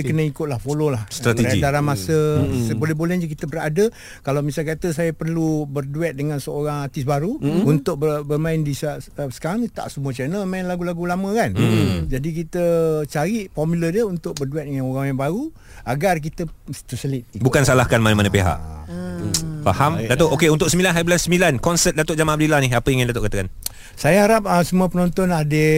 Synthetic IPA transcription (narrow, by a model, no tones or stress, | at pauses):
kənəikʊt̪̚lahfololahst̪ɾat̪eaɡidaɾanmasəsbolɛhbolɛhd͡ʒək̬it̪əbəradə | kalawmisalkat̪əs̬ajapərlubərduɛt̪̚dəŋãnsəoɾaŋat̪ɪsbaɾuunt̪ʊk̚bəbərmãɪndisasə̥kaɾaŋt̪a̰ʔsəmuət͡ʃɛnəmaɪnlaɡulaɡulamə̃kand͡ʒadik̬it̪ət͡ʃaɾiʔfɔmulədjəunt̪ʊk̚bərduɛt̪̚dəŋanoɾaŋjaŋbaɾu | aɡark̬it̪ət̪usəlɪt̪̚ibukansalahkanmanamanãpeɦa̰ʔ | fahamdat̪oʔokeunt̪ʊksəmbilanɦablansəmilankɔnsət̪̚dat̪oʔd͡ʒamãnabdilahnɪɦapəjaŋandat̪ʊʔkat̪akan | sajaɦaɾap̚əsəmuəpənɔnt̪ɔnadə